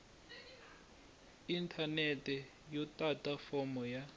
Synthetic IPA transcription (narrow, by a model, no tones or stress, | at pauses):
intʰanɛtʼɛ | jɔtʼatʼafɔmɔja